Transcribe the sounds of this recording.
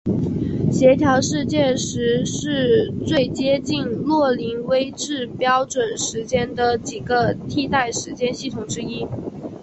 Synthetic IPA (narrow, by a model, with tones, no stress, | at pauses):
ɕjɛ˧˥t̪ʰjɑ˧˥ʊʂɻ̩˥˧t͡ɕjɛ˥˧ʂɻ̩˧˥ʂɻ̩˥˧t͡swe˥˩ɪt͡ɕjɛ˥t͡ɕi˥˧nlwɔ˥˩li˧˥ŋwe˥ɪʈ͡ʂɻ̩˥˩pjɑ˥ʊʈ͡ʂwə˨˩nʂɻ̩˧˥t͡ɕjɛ˥nd̪ə˨˩t͡ɕi˨˩ɡə˦t̪ʰi˥˧t̪a˥˩ɪʂɻ̩˧˥t͡ɕjɛ˥nɕi˥˩t̪ʰʊ˨˩ŋʈ͡ʂɻ̩˥i˥